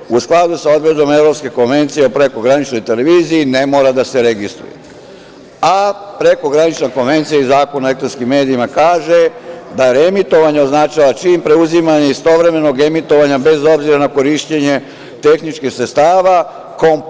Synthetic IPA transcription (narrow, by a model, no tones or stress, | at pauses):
usklˠad̪usao̞d̪bɾed̪o̞me̞ʋɾo̞pske̞ko̞nʋe̞nt̪sije̞opɾe̞ko̞ɡɾanit͡ʃno̞jt̪e̞le̞ʋiːzijine̞mo̞ːɾad̪ase̞ɾe̞ɡist̪ɾṵjḛ | apɾe̞ko̞ɡɾanit͡ʃneko̞nʋe̞nt̪sijeizaːko̞naoek̚t̪ɾonskimːe̞ːd̪iimakaːʒe̞d̪aɾe̞mit̪o̞ʋaɲeo̞znat͡ʃaʋat͡ʃimpɾe̞uzimaɲeist̪o̞ʋɾe̞me̞no̞ɡe̞mit̪o̞ʋaɲabe̞zo̞bziɾanako̞ɾiʃt͡ɕe̞ɲe̞ | t̪e̞xnit͡ʃkixsɾet̪st̪aːʋa | ko̞m